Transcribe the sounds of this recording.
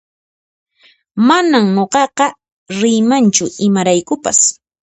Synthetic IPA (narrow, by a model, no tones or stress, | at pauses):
manamnoqɑqɑ | ɾɪjmant͡ʃʊɪmaɾajkʊpa̰s